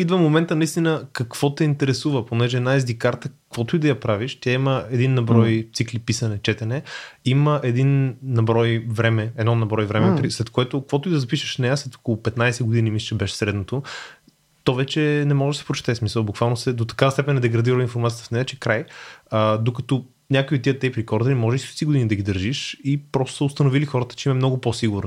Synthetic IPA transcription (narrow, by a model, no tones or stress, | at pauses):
id̪vəmomɛnt̪ənɐist̪inəkɐkv̥ɔt̪ɛint̪ɛɾɛsuvəponɛʒɛd̪naizd̪ikaɾt̪əkvɔt̪oid̪ɐjɐpɾaviʃt̪ʲjaiməɛd̪inːɐbɾɔjt̪siklipisɐnɛt͡ʃɛt̪ɛnɛiməʔɛd̪innːɐbɾɔjvɾɛmɛɛd̪nɔnɐbɾɔjvɾɛmɛpɾislɛt̪̚koɛt̪ʊkɐkvɔt̪oid̪ɐzɐpiʃə̥ʃnɛjaslɛt̪o̥kolˠʊpɛt̪najsɛɡod̪inimisɛ̥t͡ʃɛbɛʃɛ̥sɾɛd̪not̪o | t̪ɔvɛt͡ʃɛnɛmɔʒɛd̪ɐsɛ̥pɾot͡ʃɛ̥t̪ɛːsmisəlˠbukvalˠnosɛd̪ot̪ɐ̥kavɐst̪ɛpɛnɛd̪ɛɡɾɐd̪iɾəinfoɾmat̪ijət̪əfnɛɛt͡ʃɛkɾajəd̪okɐt̪ɔ | nʲakoiot̪ːiət̪ːɛpɾikɔɾd̪ɐɾimɔʒɛist̪siɡod̪inid̪ɐɡ̟id̪əɾʒiʃipɾɔst̪o̥səʊst̪ɐnovilixɔɾət̪ə̥t͡ʃɛimɐmnɔɡʊposiɡuɾni